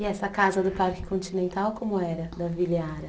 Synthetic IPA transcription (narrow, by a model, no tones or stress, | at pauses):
ɪɛsɐkazɐd̪ʊpaɾkɪ̥kõnt͡ʃinẽnt̪awkõmʊɛɾɐd̪ɐviliaɾɐ